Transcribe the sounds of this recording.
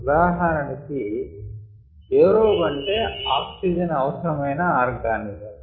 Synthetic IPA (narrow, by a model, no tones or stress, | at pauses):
daːɦanɐnɐki | eːɾoːbɐɳʈeːaːksid͡ʒɐnɐʋɐsɐɾɐmɐjnɐaːɾɡaːnid͡ʒɐm